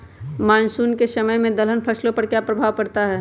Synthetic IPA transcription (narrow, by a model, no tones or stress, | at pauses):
maːnsuːnkesɐməjmẽd̪ɐlənpʰɐslõpɐɾkjaːpɾɐbʱaːʋkɐɾt̪aɦɛː